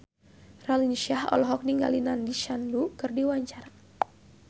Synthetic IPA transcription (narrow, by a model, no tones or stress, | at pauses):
ralinʃahɔ̰lɔɦɔk̚niŋɡa̰linandiʃandukɨrdiwaɲt͡ʃar